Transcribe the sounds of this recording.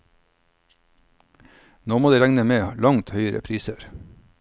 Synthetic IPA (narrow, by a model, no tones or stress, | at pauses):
noːmoːd̪eːɾæŋnəmeːlɑŋt̪hœʏəɾə̰pʰɾiːsəɾ